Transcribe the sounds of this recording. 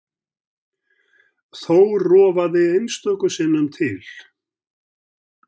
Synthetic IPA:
θowrɔːvaðɪejnst̪œkʏsɪnːʏmt̪ʰɪl

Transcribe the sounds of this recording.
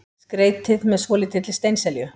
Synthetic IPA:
skɾeːjt̪ɪðmɛðsvɔːlɪt̪ʰɪt̪lɪst̪eːjnsɛljʏ

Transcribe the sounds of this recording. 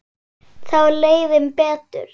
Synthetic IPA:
θawleːjðɪmpɛːt̪ʏ̰ɾ̥

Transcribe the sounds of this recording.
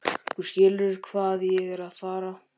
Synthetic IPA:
kʰʏɾ̥scɪːlʏɾkʰvaːðjɛɣɛɾaðfaːɾa

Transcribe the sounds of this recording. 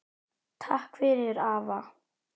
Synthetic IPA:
t̪ʰahkfɪɾɪɾaːva

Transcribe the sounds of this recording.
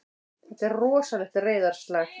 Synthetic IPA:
ɛht̪ɛɾrɔːsalɛxt̪reːjðaɾ̥st̪laːx

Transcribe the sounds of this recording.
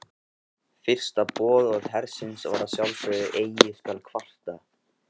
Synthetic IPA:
fɪr̥st̪apɔːðɔðɦɛɾsɪnsva̰ɾasjawlfœðɪʔeːjɪskalkʰval̥t̪a

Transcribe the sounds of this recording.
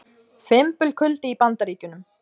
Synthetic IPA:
fɪmpʏlkʰʏlt̪ɪipant̪aɾiːcʏnʏm

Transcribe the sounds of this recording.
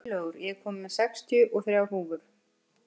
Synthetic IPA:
lœːɣʏɾjɛɣkʰɔːmmɛðsɛkst̪ʰjʏʔɔɣθɾjawɦuːvʏɾ̥

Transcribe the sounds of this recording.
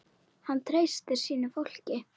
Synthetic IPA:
hant̪ʰɾeːjst̪ɪɾ̥siːnʏfowl̥cɪ

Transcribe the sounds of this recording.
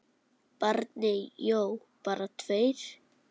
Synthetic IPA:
paɾt̪nɪjow | paːɾat̪ʰveːjɾ̥

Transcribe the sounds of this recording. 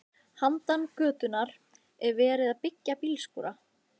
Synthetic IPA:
hant̪ankœːt̪ʏnːaɾ | ɛɾvɛːɾɪðaðpɪcːapilskṵːɾa

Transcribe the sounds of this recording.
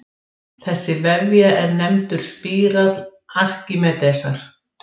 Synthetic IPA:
θɛsːɪvɛvjaɛɾnɛmt̪ʏɾ̥spiːɾat̪lar̥cimɛt̪ɛsaɾ̥

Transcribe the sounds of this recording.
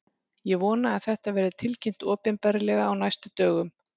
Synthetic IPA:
jɛɣvɔːnaːðθɛht̪avɛːɾɪt̪ʰɪlcɪm̥t̪ɔːpɪnpɛɾɪlɛɣaːwnajst̪ʏt̪œːɣʏm

